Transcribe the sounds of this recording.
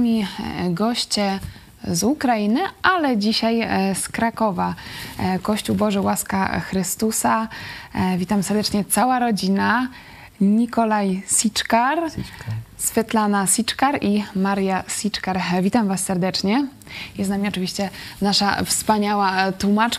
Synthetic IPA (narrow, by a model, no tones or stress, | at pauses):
mʲiɡɔɕt͡ɕɛ | zukɾajinɘʔalɛd͡ʑiɕajskɾakɔva | kɔɕt͡ɕuwbɔʐɘwaskaxɾɘst̪usa | vʲit̪amsɛɾd̪ɛt͡ʂɲɛt̪sawaɾɔd͡ʑina | ɲikɔlajsʲit͡ʂkaɾ | sfʲjɛt̪lanasʲit͡ʂkaɾimaɾjasʲit͡ʂkaɾvʲit̪amvasːɛɾd̪ɛt͡ʂɲɛ | jɛst̪namʲiɔt͡ʂɨvʲiɕt͡ɕɛnaʂa̰fspaɲawat̪wumat͡ʂ